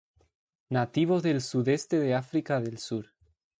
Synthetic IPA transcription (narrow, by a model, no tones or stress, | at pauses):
nat̪iβ̞ozðe̞lsuðest̪eðeafɾikaðe̞lsuɾ